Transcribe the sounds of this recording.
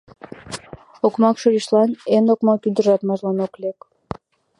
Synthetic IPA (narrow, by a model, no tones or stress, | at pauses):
okmɑkʃoliʃlɑnenokmɑkyd̪əʒɑt̪mɑʒlɑnoklek